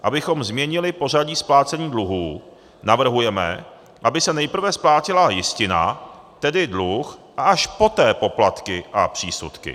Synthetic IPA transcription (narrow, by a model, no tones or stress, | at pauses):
ʔabɪxo̞mzmɲɛɲɪlɪpo̞r̝aɟiːsplaːt͡sɛɲiːdluɦuː | navr̩ɦujɛmɛ̰ | ʔabɪsɛnɛjpr̩vɛsplaːcɪlajɪscɪna̰ | t̪ɛdɪdluxʔaʔaʃpo̞t̪ɛːpo̞plat̪kɪʔa̰pr̝̥ḭːsṵt̪kɪ̰